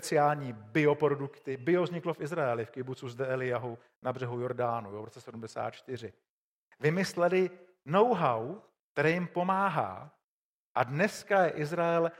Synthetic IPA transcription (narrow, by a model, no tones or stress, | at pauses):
spɛt͡sɪaːlɲiːbɪopɾodukt̪ɪbɪovzɲɪklofʔɪzɾaɛlɪfkɪbut͡suzdɛɛlɪjaɦu | nabr̝ɛɦujo̞ɾdaːnuvɾot͡sɛsɛdumdɛsa̰ːt̪t͡ʃt̪ɪr̝ɪ | vɪmɪslɛlɪ | no̞wɦawk̚t̪ɛɾɛːjɪmpo̞maːɦa̰ː | ʔadnɛskajɛʔɪzɾaɛl